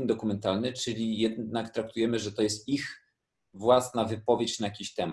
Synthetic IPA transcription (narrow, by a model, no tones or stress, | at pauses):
nd̪ɔkumɛnt̪alnɘt͡ʂɘlʲijɛd̪̚nnakt̪ɾak̚t̪ujɛmɘʐɛt̪ɔjɛst̪ix | vwasnavɘpɔvʲjet͡ɕnajakʲiɕt̪ɛm